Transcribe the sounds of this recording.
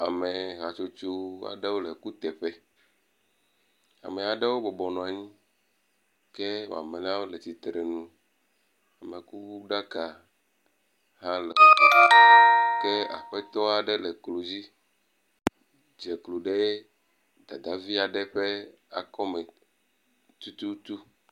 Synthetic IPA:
a˨me˨ɣa˨t͡ʃo˦t͡ʃo˦a̰˨ɖe˦wo˦lɛ˨ku˦t̪ɛ˨ɸɛ˦ | a̰˨me˨a˨ɖɛ˦wo˦bɔ˨bɔ˨nɔ̃˨a˨ɲĩ˦ | ke˦wo̰˨a̰˨me˨nã˦wo˦lɛ˨t̪i˨t̪ɾe˨nũ˦ | a˨me˨ku˦bu˦ɖa˦ka˨ | ɦã˦lɛ̰˨ɔ˦a˦ke˦a̰˨ɸɛ˦t̪ɔ˦a˨ɖɛ˦lɛ˨klo˨d͡ʑi˦ | d͡ʒɛ˨klo˨ɖe˦ | d̪a˨d̪a˨vi˦a˨ɖɛ˦ɸe˦ | a̰˨kɔ˦mɛ̃˨ | t̪u˦t̪u˦t̪u˦

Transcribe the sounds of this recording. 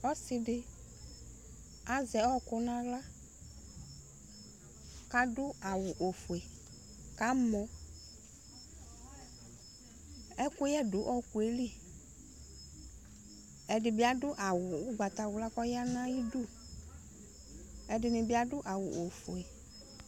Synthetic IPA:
ɔ˦sɪ˨dɪ˦ | a˨zɛ˨ɔ˦kʊ˦nã˦la˦ | ka˦dʊ˦a˨wʊ˨ʔo˨fʊ˨ɛ˨ | ka˨˦mɔ̃˨ | ɛ˦kʊ˦jɛ˦dʊ˨˦ʔɔ˦kʊ˨e˦li˦ | ɛ˨dɪ˨bɪ˦a˨dʊ˦ʔa˨wʊ˨ʊ˦ɡ͡ba˨t̪a˨wʊ˨la˦kɔ˦ja˦nã˦ji˦du˦ | ɛ˨dɪ˨nɪ˨bɪ˦a˦dʊ˦ʔa˨wʊ̰˨ʔo˨fu˨ɛ˨

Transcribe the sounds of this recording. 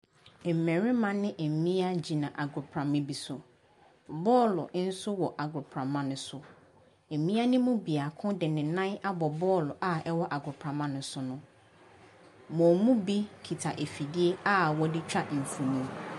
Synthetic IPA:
m̩˨mɛ̃˨ɾi˦mã˨nɪ̃˦ʔe˨mĩ˦a˦d͡ʑi˨nã˨ʔa˨ɡɾʊ˨pʰɾã˨mɪ̃˦bi˨sʊ˨ | bɔː˦lʊ̰˨˦n̩˦sʊ˦wɔ˨ʔa˨ɡɾʊ˨pʰɾã˨mã˦nʊ̃˨sʊ˨ | e˨m˨mĩ˦a˦nɪ̃˦mũ˦bi˨a˨kʰʊ̃˦dɪ˨nɪ̃˨nã˦a˦bɔ˨bɔː˦lʊ˨ʔa˨ɛ˦wɔ˦ʔa˨ɡʊ˨pʰɾã˨mã˦nʊ̃˨sʊ˨nʊ̃˦ | mɔ̃˨mũ˦bi˦kʰi˨tʰa˨ʔe˨fi˨di˦e˦a˦wɔ˦dɪ˦t͡ɕʰᶣa˦ʔm̩˨fũ˨nĩ˦

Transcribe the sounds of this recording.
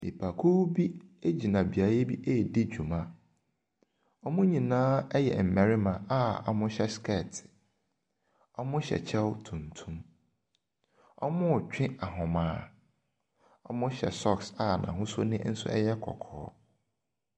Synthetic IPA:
nḭ˨pʰa˨kʰu˦bi˦e˦d͡ʑi˨nã˨bi˨a˨˦je˦bi˦ʔe˦˨di˦d͡ʑᶣu˨mã˦ | ɔ˦mʊ̃˦ɲĩ˨nãː˦ɛ˦jɛ̰˨m̩˨mɛ̃˨ɾi˦mã˨a˦ɔ˨mʊ̃˦ɕɛ˦skʰɛ˦˨tʰ | ɔ˦mʊ̃˦ɕɛ̰˨t͡ɕʰɛ˦wtʰũ˨ntʰũ˦m | ɔ̰˦mʊ̃˦˨t͡ɕᶣɪ̃˦a˨ɦʊ̃˨mãː˨˦ | ɔ˦mʊ̃˦ɕɛ̰˨sɔ˦ksa˨nã̰˨ɦʊ̃˦sʊ˦nɪ̃˦n̩˦sʊ̰˦ɛ̰˦jɛ˦kʰɔ̰˨kʰɔ̰ː˨˦

